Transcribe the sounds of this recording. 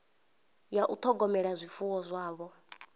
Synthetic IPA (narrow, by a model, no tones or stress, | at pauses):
jaʔut̪ʰɔɡɔmɛɺazʷifuwɔzʷaːβɔ